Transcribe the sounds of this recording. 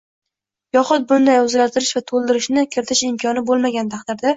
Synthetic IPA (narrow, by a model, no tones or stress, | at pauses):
jɒχʊt̪̚bʊnd̪ajʊzɡʲaɾt̪ʰɪɾɪʃvat̪ʰolˠd̪ɪɾɪʃnɪkʲʰɪɾɪt̪ʰɪʃɪmkʰɒnɪbolˠmaɡʲant̪ʰaqd̪ɪɾd̪a